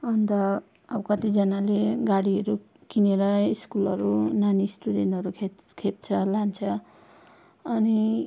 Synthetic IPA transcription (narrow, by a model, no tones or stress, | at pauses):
ʌnt̪ʌ | ʌbkʌt̪id͡zʌnaleɡaɽiʌɾu | kineɾʌiskulʌɾunanisʈudenʈʌɾukʰe | kʰep̚t͡sʰʌlant͡sʰʌ | ʌni